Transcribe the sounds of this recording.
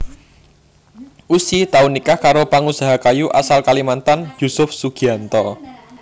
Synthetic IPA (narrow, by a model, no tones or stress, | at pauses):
ʔusit̪aunikahkaɾopaŋusaɦakajuʔasalkalimant̪anjusʊfsuɡ̥iant̪ɔ